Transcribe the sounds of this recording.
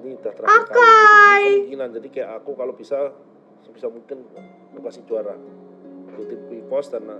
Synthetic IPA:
nit̪at̪ɾaakajɡiland͡ʒadikajaʔakukalobisa | sbisamuŋkɪn | lokasɪht͡ʃuaɾa | tut̪ipuikɔst̪arna

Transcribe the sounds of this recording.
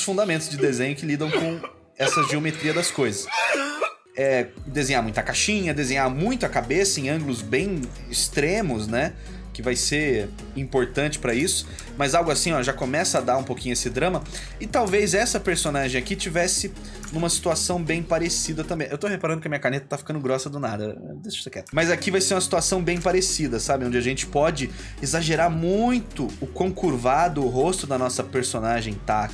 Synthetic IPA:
sfũnd̪amẽnt̪ʊzd͡ʒɪd̪ezẽɲʊkɪlid̪ɐ̃w̃kõ | ɛsɐʒiomet̪ɾiɐd̪ɐskojzɐs | ɛd̪ezẽɲamũj̃t̪ɐkaʃĩɲɐd̪ezẽɲamũj̃t̪ʊɐkabesɐẽj̃ɐ̃ŋɡlʊzbẽj̃ | ɪst̪ɾẽmʊznɛ | kɪvajseɾ | ĩmpoɾt̪ɐ̃nt͡ʃɪ̥pɾɐisʊ̥ | mɐzawɡʊasĩɔʒakomɛsɐad̪aɾũpowkʲĩɲʊesɪd̪ɾɐ̃mɐ | ɪt̪awvezɛsɐpeɾsõnaʒẽj̃akit͡ʃivɛsɪ | nũmɐsi̥t̪uasɐ̃w̃bẽj̃paɾesid̪ɐt̪ɐ̃mbẽj̃ewt̪ohepaɾɐ̃d̪ʊkɪɐmĩɲɐkaɾnet̪ɐ̥t̪afi̥kɐ̃nd̪ʊɡɾɔsɐd̪ʊnad̪ɐ̰ | d̪essekɛt̪mɐzakivajseɾũɐsi̥t̪uasɐ̃w̃bẽj̃paɾesid̪ɐsabɪ̃õd͡ʒɪaʒẽnt͡ʃɪ̥pɔd͡ʒɪ | ezaʒeɾaɾmũj̃t̪ʊʊkõkuɾvad̪ʊːɦost̪ʊd̪ɐnɔsɐpeɾsonaʒẽj̃t̪a

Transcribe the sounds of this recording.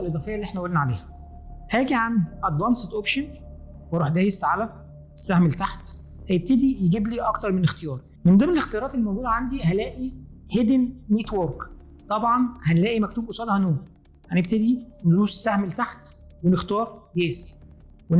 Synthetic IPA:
elʔed̪ˤɑːfejælːiʔeħnæʔolːnæʕalḛːhæ | hæːɡiʕanʔæd̪vɑnset̪ʔopʃon | wɾˤuːħd̪æːjesʕalæ | esːahmlet̪aħt̪ | hæjeb̚t̪ed̪ijeɡiːbliːʔɑkt̪ɑɾˤmenext̪ejɑːɾˤ | mend̪æmnelext̪ejɑɾˤɑːt̪elmæwɡuːd̪æʕand̪iɦælæːʔihed̪nːet̪woɾk | t̪ˤɑbʕɑnhænlæːʔimækt̪uːbʔosˤɑːd̪hænoːm | hænebt̪ed̪inluːse̥sːahmlet̪aħt̪ | wenext̪ɑːɾˤjeːs | we

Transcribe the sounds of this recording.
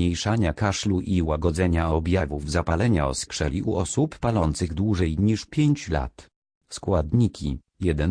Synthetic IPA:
ejʂaɲakaʂluʔiwaɡɔd̪zɛɲaɔbʲjavuvzapalɛɲaɔ̰skʂɛ̰lʲiʔuʔɔsupːalɔnt̪sɘɣd̪wuʐɛjɲiʂpʲjeɲt͡ɕla̰t̪ | skwad̪ɲikʲʰḭ | jɛd̪ɛn

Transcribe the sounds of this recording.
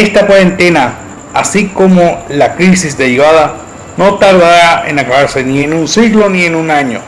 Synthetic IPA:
est̪apwaɾe̞nt̪e̞na | asiko̞mo̞lakɾis̬izd̪eɾiβaða | no̞t̪aɾðaɾaʔe̞̰nakaβaɾse̞nie̞nunsiɣlo̞nie̞nunaɲo̰

